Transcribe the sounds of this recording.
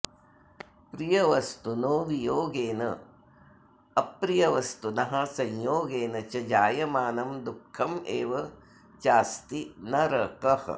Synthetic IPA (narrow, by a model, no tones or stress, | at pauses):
pɾijɐʋɐst̪unoːʋijoːɡeːnɐ̰ | ɐpɾijɐʋɐst̪unɐɦɐ̆sɐjjoːɡeːnɐt͡ʃɐd͡ʒaːjɐmaːnɐmd̪ukʰːɐmeːʋɐ | t͡ʃaːst̪inɐɾɐkɐhɐ̰